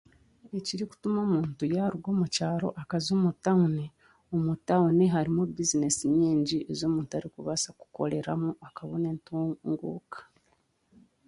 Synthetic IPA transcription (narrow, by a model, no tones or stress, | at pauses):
e̞ciɾiku̥tumo̞ːmuːntujaːɾuɡo̞ːmucaːɾo̞̰ʔakazoːmutaune | o̞mutauneɦaɾimubizine̞siɲiːɲɟie̞zo̞ːmuːntuaɾikuβasaku̥ko̞̰le̞ɾamuakaβone̞ːntuŋɡṵːkḁ